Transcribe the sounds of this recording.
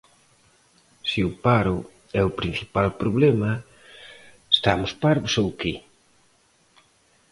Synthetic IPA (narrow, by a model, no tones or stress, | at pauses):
siʊpaɾʊ | ɛʊpɾin̟θi̥palpɾoβlɛmɐ | est̪amʊspaɾβʊsowki